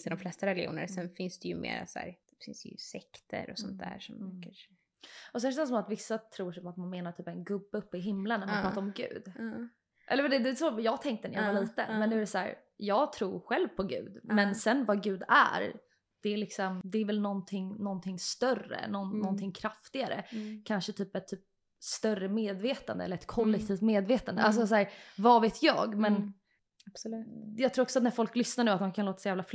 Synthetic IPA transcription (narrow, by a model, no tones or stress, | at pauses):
st̪ɪd̪ɔmflɛst̪aɾɛlɪjṵːnə̰ɾsɛnfɪnsd̪ɛjɵmḛːɾa̰sæ̰ːɾ | fɪ̰nsd̪ɛ̰jɵ̰sɛkt̪ʰə̰ɾɔsɔ̰nt̪̚d̪æ̰ːɾʂɔmkaʂ | ʔɔsɛnʃ̬ɛnsɔmat̪vɪsːat̪ʰɾuːʂɔmat̪manmeːnaʈʰyːpɛnɡɵbːəɵpːɪɦɪmlənːæɾmanpɾɑːt̪aɾɔmɡʉ̟̰ːd̪ | ʔɛ̰lːəɾd̪ɛd̪ɛsojɑːɡt̪ʰɛŋkt̪ənæja̰valiːt̪ə̰nmɛnʉ̟æɾɛsæ̰ːɾ | jɑːɡt̪ʰɾuːɾɧɛlvpʰɔɡʉ̟ːd̪mɛnsɛnvaɡʉ̟ːd̪æ̰ɾ | d̪̥ɛæɾɭɪksɔmd̪ɛæɾvɛlnɔnt̪ʰɪŋnɔnt̪ʰɪŋst̪œrə̰nɔnːɔnt̪ʰɪŋkʰɾaft̪ɪɡaɾə̰kʰanʂət̪ʰyːpɛt̪ʰːyːp̚ | st̪œrəmeːd̪veːt̪and̪əɛləɾɛt̪̚kʰɔlːɛk̚t̪ʰiːft̪meːd̪veːt̪and̪ə̰als̬ɔsæːɾvɑveːt̪ʰjɑ̰ːɡmɛn | jɑɡt̪ʰɾuːɾɔksɔat̪̚næɾfɔlklʏsnaɳʉ̟ːat̪̚hankʰanloːt̪ḁsɔjæːvlaf